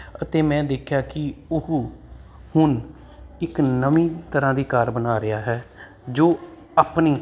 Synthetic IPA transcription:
ət̪eːmɛ̃ːd̪eːkʰjaːkɪʊɦ | hʊn | ɪknəʋĩːt̪əɾãːd̪iːkaɾbənaːɾɪjaːɦɛː | d͡ʒoː | aːpniː

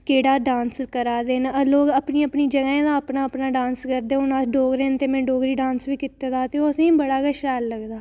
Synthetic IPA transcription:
keːɽaːɖãːnskəɾaːd̪eːnəloːɡəpnĩːəpniːd͡ʒəɡaːẽːd̪aːəpnaːəpnaːɖãːnskəɾd̪eːʊnaːɖoːɡɾẽːnt̪eːmɛ̃ːɖoːɡɾiːɖãːnsʋiːkɪt̪ːeːd̪aːt̪eoːəsẽĩbəɽaːɡəʃɾaːlːəɡd̪aː

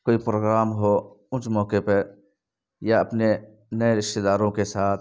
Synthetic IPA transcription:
koːipɾoːɡɾaːmɦo | ʊnt͡ʃmɔːkepɐ | jaɐpne | nɐeɾɪʃt̪ed̪aːɾõkesaːt̪̚

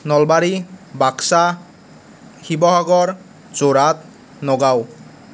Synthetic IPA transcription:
nɔlbaɹibaksa | xibɔɦaɡɔɹ | zoɹat̪̚ | nɔɡaw

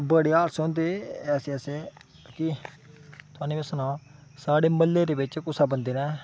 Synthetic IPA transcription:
bəɽeːaːɾsɔ̃ːnd̪eːɛːseɛːseː | kɪ | t̪ʊaːneːbəsənãːsaːɽeːməlːeːɾeːbɪt͡ʃkʊsaːbənd̪eːnɛː

